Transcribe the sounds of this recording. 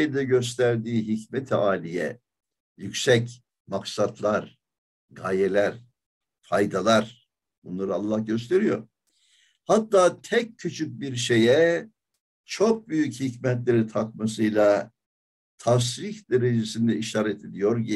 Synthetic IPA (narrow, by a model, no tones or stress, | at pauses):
lʲd̪ɛɟø̞s̬t̪ʰæɾd̪iːɦicmet̪ʰiaːlʲijɛ̰ | jycʲsɛc | maksat̪ʰlˠaɾ | ɡaːjelʲæɾ | fajd̪alˠaɾ | bunlˠaɾɯalˠːahɟø̞st̪ʰe̞ɾijo̞̰ɾ | hat̪ːaːt̪ʰɛc̚cʰːyt͡ʃʰyc̚biɾʃe̞jɛ | t͡ʃʰo̞k̚byjychicmɛt̪lʲe̞ɾit̪ʰak̚mas̬ɯjlˠa | t̪ʰafsɾiçd̪eɾed͡ʒesind̪ɛiʃaːɾɛt̪ʰed̪ijo̞ɾɟi